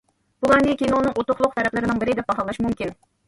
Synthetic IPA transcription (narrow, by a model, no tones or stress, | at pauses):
b̥ulˠɑnikʲenunɨŋʔot̪ʊχlˠʊq̚t̪ʰɛɾɛplɪɾɪnɪŋbɪɾɪd̪ɛp̚bɑɦɑlˠɑʃmumkʲin